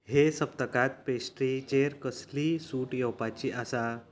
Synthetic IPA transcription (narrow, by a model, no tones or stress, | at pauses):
hesəp̚t̪əkat̪̚pesʈɾit͡ɕeɾkəslisuːʈjɔwpat͡ɕiːʔasa